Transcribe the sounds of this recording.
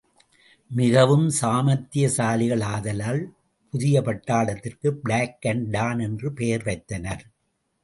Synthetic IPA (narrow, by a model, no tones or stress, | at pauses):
mɪɣɐʋɯmsaːmɐt̪ːɪjɐsaːlɪɣɐɭaːðɐlaːl | pʊðɪjɐpɐʈːaːɭɐt̪ːɪrkɯbɪɭaːkːɐɳɖaːnɛndrɯpejɐɾʋɐɪt̪ːɐnɐɾ